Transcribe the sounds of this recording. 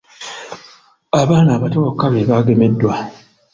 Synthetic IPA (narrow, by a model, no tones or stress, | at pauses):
abanabatɔokaβebaɡemedwa